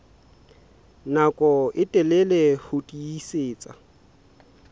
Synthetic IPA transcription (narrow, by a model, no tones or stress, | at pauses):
nakʼɔɪtʼɛlɛlɛhʊtʼiiseːt͡sʼa̰